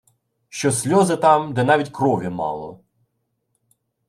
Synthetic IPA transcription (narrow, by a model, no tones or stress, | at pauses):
ʃt͡ʃɔsʲlʲɔzɪt̪ɑmd̪ɛnɑʋʲitʲkɾɔʋʲimɑ̰lˠɔ̰